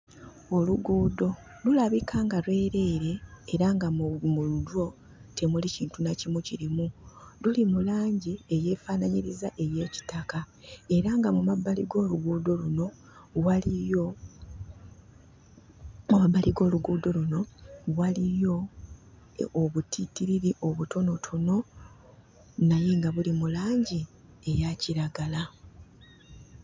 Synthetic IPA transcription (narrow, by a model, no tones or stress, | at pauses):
oluɡuːdo̞ | lulaβikʰaːŋɡaɾwe̞ːɾe̞ːɾe̞ːɾaŋɡamudwo̞ | tʰe̞muliciːntunacimuciɾimululimulaːɲɟie̞je̞ːfanaɲiɾizaʔe̞je̞ːci̥taka | e̞ɾaŋɡamumabːaliɡo̞ːluɡuːdo̞luno̞ | walijo̞ | mumabːaliɡo̞ːluɡuːdo̞luno̞walijo̞ | βutʰitiɾiɾiʔo̞βutʰo̞no̞tʰono̞ | naje̞ŋɡaβulimulaːɲɟie̞jaciɾaɡala